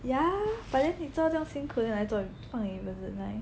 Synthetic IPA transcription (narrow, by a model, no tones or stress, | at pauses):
jafat͡ɕʰjɛnit͡sʈ͡ʂŋɕinkʰud̪laɪt͡swɔfɑŋibət͡s̩naɪ